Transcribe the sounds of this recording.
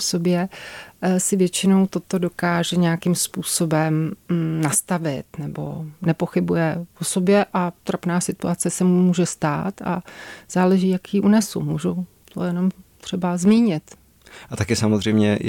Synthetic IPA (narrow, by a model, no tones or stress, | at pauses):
so̞bjɛ | sɪvjɛt͡ʃɪno̞wt̪o̞t̪o̞do̞kaːʒɛɲɛjakɪmspuːso̞bɛmnast̪avɪt̪nɛbo̞̰nɛpo̞xɪbujɛposo̞bjɛʔat̪ɾapnaːsɪt̪uat͡sɛsɛmmuːʒɛst̪a̰ːt̪a̰z̥aːlɛʒiːjakjiʔunɛsumuːʒuw | t̪ʰo̰jɛno̞mt̪r̝̥ɛbazmiːɲɪt̪ | ʔat̪akɪsamozr̝ɛjmɲɛ